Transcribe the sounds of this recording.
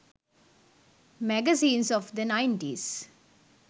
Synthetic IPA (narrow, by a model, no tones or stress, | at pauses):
mæɡəsĩːnsɔʋd̪ənãɪ̃ɳʈiz̥